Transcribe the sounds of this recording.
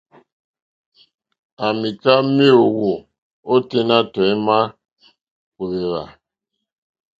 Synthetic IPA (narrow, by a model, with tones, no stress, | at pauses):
a˨mi˨ka˦mi˦o˨wo˨ | o˦te˦na˦tɔ˨i˦ma˦ | ku˨ɾe˨ɾa̰˨